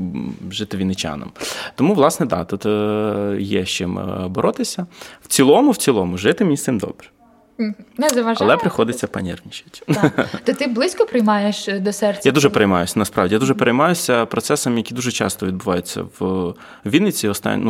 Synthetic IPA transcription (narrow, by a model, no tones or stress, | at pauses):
ʒɪt̪ɪʋʲinɪt͡ʃa̰nɐ̰mt̪ɔmuʋlˠɑsnɛd̪ɑ̰t̪ut̪ | jɛʃt͡ʃɪmbɔɾɔt̪ɪsʲɐw̥t͡sʲilˠɔmʊwt͡sʲilˠɔmʊʒɪt̪ɪmʲnʲisɪmd̪ɔ̰bɾɛ̥ | nɛzɐʋɐʒɐlˠɛpɾɪxɔd̪ɪt͡sʲːɐpɐ̰nʲɛ̰rnʲit͡ʃɪtʲt̪ɔt̪ɪblˠɪsʲkɔpɾɪjmɑjeʃd̪ɔsɛrt͡sʲːjad̪uʒɛpeɾejmɑjʊsʲɐnɐspɾɑʋdʲijad̪uʒɛpeɾejmɑjʊsʲɐpɾɔt̪sɛsɐmjɐkʲid̪uʒɛt͡ʃɑ̰st̪ɔʋʲd̪̚bʊʋɑjʊt͡sʲːɐ̰w | ʋʲinɪt͡sʲiɔst̪ɑ̰nʲnu